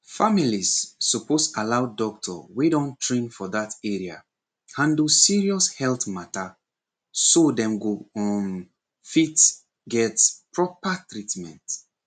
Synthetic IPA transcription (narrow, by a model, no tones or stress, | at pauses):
familizːɔpostalaʊdɔk̚tʰɔ̰wedɔ̃ntʰɹẽnfɔðatɛɹia̰ | hãndusiɹiɔshɛlθmata | sodɛ̃mɡoɔ̃n | fit | ɡɛtpɹɔpatɹitmɛ̰̃nt